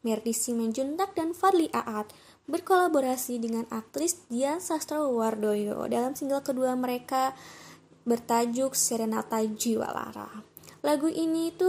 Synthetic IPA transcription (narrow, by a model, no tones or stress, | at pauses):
mɛrdisiməɲd͡ʒunt̪ak̚danfadliʔaʔat̪̚ | bərkolaboɾasidəŋanak̚t̪ɾɪsdiansast̪ɾawardojo̰dalamsiŋɡalkəduaməɾeka | bərt̪ad͡ʒʊk̚sɛɾenat̪ad͡ʒiwa̰la̰ɾa̰ | laɡuʔinit̪u